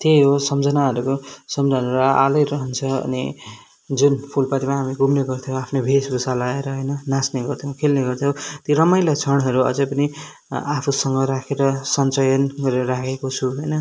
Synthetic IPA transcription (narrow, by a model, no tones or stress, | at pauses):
t̪eɦosʌmd͡zʌnaɦʌɾukosʌmd͡zʱanɾʌalʌjɾʌɦʌnt͡sʰʌʌ̰nḭ | d͡zunpʰulpat̪imaɦamiɡumneɡʌrt̪ʰijõapʰnobʱesbʱusalaeɾʌɦʌjnʌnasneɡʌrt̪ʰjõkʰelneɡʌrt̪ʰjõw̃t̪iɾʌmʌjlat͡sʰʌɽɦʌɾuʌ̰d͡zʌpʌni | apʰusʌŋɡʌɾakʰeɾʌsʌnt͡sʌjʌnɡʌɾeɾʌɾakʰekot͡sʰuɦʌjnʌ